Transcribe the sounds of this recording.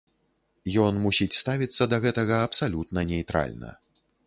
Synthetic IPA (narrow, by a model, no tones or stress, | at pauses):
jɔnmusʲit͡sʲst̪avʲit̪sːɐd̪ɐɣɛt̪ɐɣɐːpsalʲut̪nɐnʲɛjt̪ɾa̰lʲnɐ̰